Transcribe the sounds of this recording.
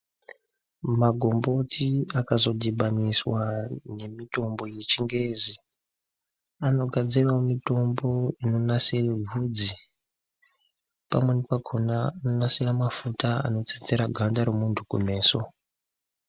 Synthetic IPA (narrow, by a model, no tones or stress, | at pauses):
maɡʱo̞mbo̞tʰiakazo̞dʱiɓaniswane̞mito̞mbo̞jet͡ʃiŋɡe̞ːzi | ano̞ɡʱad͡zirwamito̞mbo̞ino̞nasirevʱud͡zi | pamwe̞nepaɡʰʱonaːno̞nasiramafutaa̰no̞t͡sit͡seɾaɡʱandaɾomuntʰukume̞ːso̞